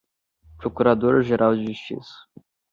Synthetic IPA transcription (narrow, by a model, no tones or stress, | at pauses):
pɾokuɾad̪oɾɐʒeɾʔawd͡ʒɪʒust͡ʃḭsɐ̥